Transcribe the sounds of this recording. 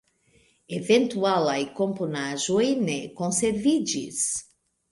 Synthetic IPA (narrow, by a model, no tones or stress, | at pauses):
evẽnt̪ualajkõmpunaʒoinekõsevid͡ʒḭs